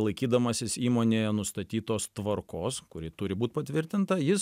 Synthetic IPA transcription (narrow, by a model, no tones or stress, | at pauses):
lˠɐɪkʲiːd̪ɐmɐsʲɪsiːmoːnʲeːjɛnʊst̪ɐt̪ʲiːt̪oːst̪ʋɐrkoːskʊɾʲɪt̪ʊɾʲɪbuːt̪̚ʲpɐt̪ʲʋʲɪɾʲt̪ʲɪnt̪ɐjɪs